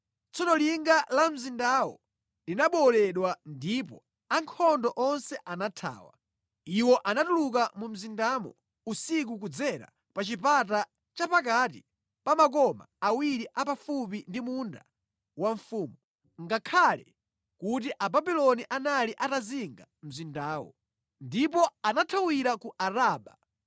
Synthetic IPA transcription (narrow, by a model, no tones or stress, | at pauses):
t͡sɔnɔliŋɡalam̩zindawɔ̰ | linaɓɔlɛɗwandipɔ̰ | aŋkʰɔndɔʔɔnsɛʔanatʰa̰ːwa̰ | iwɔʔanatuluk̬amum̩zindamɔ̰ | usik̬ukud͡zɛɾa̰ | pat͡ʃipat̬a | t͡ʃapak̬atḭ | pamak̬ɔma̰awiɾiʔapafupindimunda | waɱfuːmu | ŋɡakʰalɛ | kut̬iʔababilɔniʔanaliʔataziŋɡam̩zindaːwɔ̰ | ndip̬ɔanatʰawiɾakuʔaɾaːɓa